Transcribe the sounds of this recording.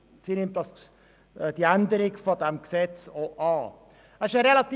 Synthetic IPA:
siːnɪmtdɑs | d̥iænd̪əɾɪɡfɔdɛmksɛt͡soʔɑː | ɛɪʃəɾɛlɑt̪i

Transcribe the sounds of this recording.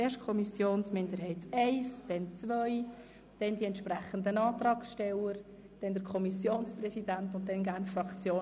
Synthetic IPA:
eːʃtkʰɔmisjoːnsmɪndəɾhɛɪtʰɛɪsd̥ɛnt͡sʋœʏ | d̥ɛndiɛntʃpɾræχən̩d̪ənɑːt̪rɑːksʃtɛləɾ | d̥ɛnd̥əɾkʰɔmisjoːnsprɛsidæntʊnt̚dɛnɡæːrnfrɑkt͡sjoː

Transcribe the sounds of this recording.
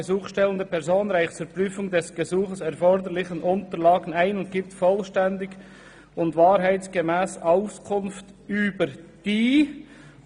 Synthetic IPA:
əzuːχʃtɛləndəpʰɛʁzoːnɾaɪçt͡suːɾpʁyːfʊŋdɛsɡ̥əzuːχəsɛɾfɔɾdəɾlɪçənʔʊntəɾlaːɡən̩aɪnʊnt̚ɡ̥iːp̚tfɔlʃtɛndɪɡ | ʊntvaːɾɦaɪt͡sɡ̥əmɛːsaʊskʰʊnftyːbəɾd̥iː

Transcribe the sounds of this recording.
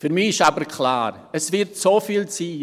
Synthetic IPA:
fyɾmiːɪʃabəɾkʰl̥a̰ːɾ | ɛsvɪɾtsofiːlt͡siː

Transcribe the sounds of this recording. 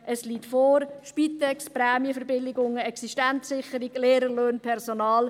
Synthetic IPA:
ʔəsliːtfɔːɾʃpit̪ɛkspɾɛːmjəfəɾbɪlɪɡʊŋəɛksiʃtɛntssɪχəɾɪɡleːɾəløːnpʰɛʁsonɑːl

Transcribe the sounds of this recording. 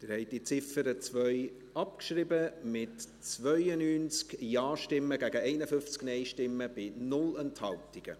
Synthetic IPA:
tɪɾhɛɪt̚d̥it͡sɪfəɾət͡svœʏ | ɑpkʃɾɪbəmɪt | t͡svœʏənyːnt͡skjɑːʃtɪmːəɡæɡəɛɪnəfʏft͡sknɛɪʃtɪmːəb̥ɪnʊlənthɑltɪɡ̥ə̰

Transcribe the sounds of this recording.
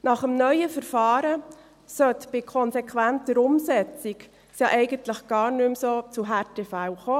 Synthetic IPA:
nɑχəmnœʏəfəɾfɑːɾə | sœt̪b̥ɪkʰɔnsekʰwæntəɾʊmsɛt͡sik | sjɑʔɛɪɡəntləχɡ̥ɑːɾnʉmsoːt͡suɦæɾtefæwχoː

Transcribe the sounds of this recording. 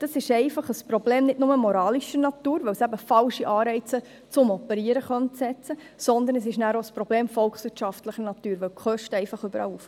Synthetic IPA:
d̥ɑsɪʃɛɪfɑχəspɾɔbleːmnɪtnʊməmoɾɑːliʃənɑt̪uːɾʋɛwsæbəfɑlʃiʔɑːɾɛɪt͡sə | t͡sʊmɔpəɾiəɾəχœntsɛt͡sə | sɔnd̪ənəsɪʃnæːɾoəspɾɔbleːmfɔlksʋɪtʃɑftləχənɑt̪yːɾʋɛwkχœʃtɛɪfɑχʏbəɾɑ̰ːluːf

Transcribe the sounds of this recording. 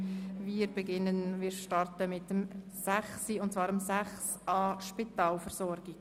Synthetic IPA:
viːɾbɛɡɪnənviːɾʃtɑɾtəmɪtəm | sæχsiʊntt͡sv̥ɑːɾəmsæχs | ɑːʃpitɑːlfɛɾsɔɾɡiɡ

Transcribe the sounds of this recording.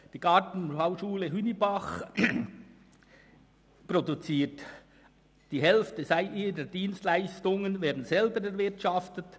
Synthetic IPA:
d̥iːɡ̥ɑtn̩aʊʃuːləɦynibaχ | produt͡siːt | d̥iːɦɛlftəzaɪʔiːɾəd̥iːnstlaɪstʊŋənvɛːɐdn̩zɛlbəɾɛɾvɪʁtʃɑftət

